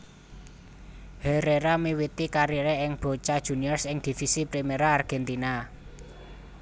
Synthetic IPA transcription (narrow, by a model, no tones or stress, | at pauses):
hɛɾeɾamiwit̪ikaɾiɾeɪŋb̥o̤t͡ʃad̥ʒ̥ṳniɔrsɪŋd̪̥i̤fisipɾimeɾaːrɡ̥ɛnt̪ina